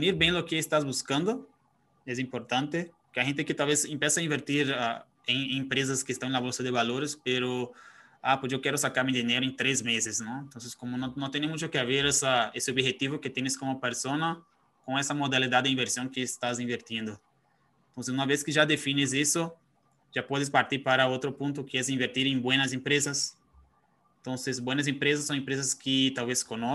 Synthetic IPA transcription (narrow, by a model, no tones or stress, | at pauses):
fniɾbẽj̃lokeːst̪azbuskãnd̪o | ɛs̬ĩmpoɾt̪ãnt̪e | keahẽnt̪ekɪt̪alvezĩmpjɛsaĩmbeɾt̪iɾa | ẽŋẽmpɾez̬ɐskest̪ɐ̃w̃ẽlaβolsɐd̪eβaloɾespeɾo | apos̬ewkɛɾʊsakaɾmĩd̪ineɾoẽnt̪ɾezmezesnõẽnt̪õnseskõmonõnõt̪ẽnemũt͡ʃokeaβeɾɛsaeseobhet̪iβoket̪ẽnɪskõmopeɾsonɐ | kõɛsɐmod̪alid̪ad̪̚d̪ɪĩmbeɾsijõŋ̃kɪːst̪azĩɱveɾt̪ĩnd̪ʊ | ẽnt̪õsɪsũmɐveskɪʒad̪efinɪzisʊ | ʒ̥apɔðɪs̬paɾt̪iɾpaɾɐot̪ɾʊpũnt̪ʊkɪɛzĩɱveɾt̪iɾẽbwẽnɐz̬ẽmpɾezɐs | ẽnt̪õnsezbwẽnɐs̬ẽmpɾezɐsːõw̃ẽmpɾezɐskɪt̪awveskonɔ